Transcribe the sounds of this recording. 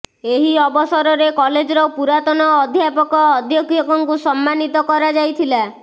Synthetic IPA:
eɦiɔbɔsɔɾɔɾekɔled͡ʒɔɾɔpuɾat̪ɔnɔːd̪ʱjapɔkɔːd̪ʱjɔkʰjɔkɔŋkusɔmːanit̪ɔkɔɾad͡ʒajt̪ʰila

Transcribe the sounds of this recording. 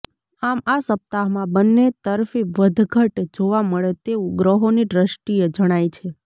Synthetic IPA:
amasəp̚t̪aɦmãbənːet̪əɾfiʋəd̪ʱɡʱəʈd͡ʒoʋaməɭet̪eʋũɡɾəɦoniɖɾəʃʈijəd͡ʒəɽ̃ajt͡ʃʰe

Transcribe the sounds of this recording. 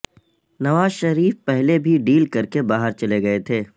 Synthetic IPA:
nɐʋaːzʃɐɾiːfpɛɦlebʱiɖiːlkɐɾkebaːɦəɾt͡ʃɐleɡɐet̪ʰeː

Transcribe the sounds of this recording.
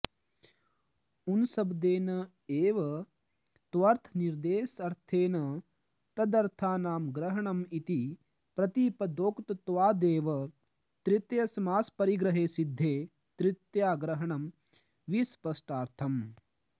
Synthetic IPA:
unsɐbd̪eːnɐ | eːʋɐ | t̪ʋɐɾt̪ʰniɾd̪eːsɐɾt̪ʰeːnɐ | t̪ɐd̪ɐɾt̪ʰaːnaːmɡɾɐɦɐɳɐmit̪i | pɾɐt̪iːpɐd̪oːkt̪ɐt̪ʋaːd̪eːʋɐ | t̪ɾit̪jɐsɐmaːspɐɾiɡɾɐɦeːsid̪ʱːeː | t̪ɾit̪jaːɡɾɐɦɐɳɐm | ʋispɐsʈaːɾt̪ʰɐm

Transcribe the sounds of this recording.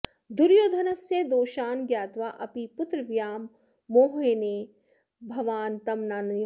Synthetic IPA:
d̪ʊɾjoːd̪ʱɐnɐsjed̪oːʃaːnɡjaːt̪ʋaːʔɐpipʊt̪ɾəʋjaːmː | oːɦeːneː | bʱɐʋaːnt̪ɐmnaːn

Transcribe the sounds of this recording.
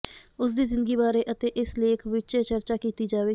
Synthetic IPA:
ʊs̬d̪iːzɪ̃nd̪əɡiːbaːɾeːʔət̪eːʔɪsleːkʰʋɪt͡ʃeːt͡ʃəɾt͡ʃaːkiːt̪iːd͡ʒaːʋeː

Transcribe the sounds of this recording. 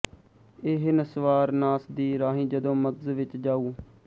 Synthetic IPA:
ɪːɦɪnəsʋaːɾnaːsd̪iːɾaːɦĩːd͡ʒəd̪õːməɡzʋɪt͡ʃd͡ʒaːuː

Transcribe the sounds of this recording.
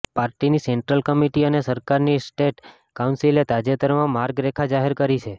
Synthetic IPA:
paɾʈiniseɳʈɾəlkəmiʈiənesəɾkaɾnisʈeʈ | kaũnsilet̪ad͡ʒet̪əɾmãmaɾɡɾekʰad͡ʒaɦeɾkəɾit͡ʃʰe

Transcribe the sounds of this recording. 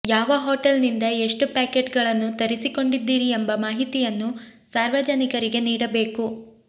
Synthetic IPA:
jaːʋɐɦoːʈɐlnind̪ɐe̞ʂʈupaːkeʈɡɐɭɐnːut̪ɐɾisiko̞ɳɖid̪ːiːɾiembɐmaːɦit̪ijɐnːusaːɾʋɐd͡ʒɐnikɐɾiɡe̞niːɽɐbe̞ːku

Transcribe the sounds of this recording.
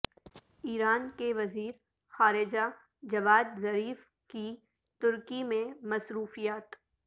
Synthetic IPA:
iːɾaːnkeʋɐziːɾ | xaːɾɪd͡ʒa | d͡ʒɐʋaːd̪̚zɐɾiːf | ki | t̪ʊɾkimẽmɐsɾuːfijaːt̪

